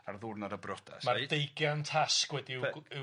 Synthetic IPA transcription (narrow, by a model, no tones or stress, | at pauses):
arðʊrnadəbrɔda̰smardejɡjantʰaskwɛdiɪ